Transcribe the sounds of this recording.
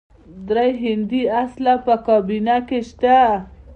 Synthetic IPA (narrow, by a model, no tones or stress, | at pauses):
d̪ɾajɦɪnd̪iaslapəkɔbinakeʃt̪a